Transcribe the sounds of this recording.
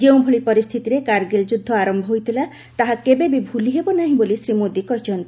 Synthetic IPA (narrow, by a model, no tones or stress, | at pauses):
d͡ʒeũbʱuɭipɔɾist̪ʰit̪iɾekaɾɡeld͡ʒud̪ʱːɔaɾɔmbʱɔɦojt̪ʰila | t̪aɦakebebibʱuliɦebɔnaɦĩbolisɾimod̪ikɔɦit͡ʃʰɔnt̪i